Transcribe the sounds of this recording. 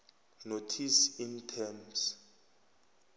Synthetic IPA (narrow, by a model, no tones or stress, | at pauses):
notʰisintʰɛms